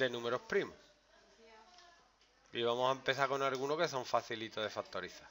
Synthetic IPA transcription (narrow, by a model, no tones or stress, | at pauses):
e̞nũme̞ɾohpɾimo | iβ̞amosaempe̞θako̞nalɣunoke̞so̞ɱfaθilit̪oðe̞fak̚t̪oɾiθa